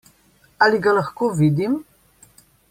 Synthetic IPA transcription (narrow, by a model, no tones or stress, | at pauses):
aliɡalaxkovid̪im